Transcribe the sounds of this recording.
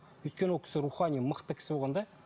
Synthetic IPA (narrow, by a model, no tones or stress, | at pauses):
ɵjt̪̚kʲenwolˠkʰʲɪ̥sɪɾuχɑnʲijməqt̪əkʲʰɪ̥sɪbolˠʁɑnd̪ɑ